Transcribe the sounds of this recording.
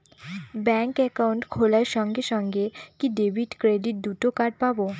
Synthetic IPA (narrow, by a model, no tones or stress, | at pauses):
bɛŋkɛkawɳʈkʰolaɾʃɔŋɡeʃɔŋɡekiɖebʱiʈkɾeɖiʈ̚d̪uʈokaɖpabo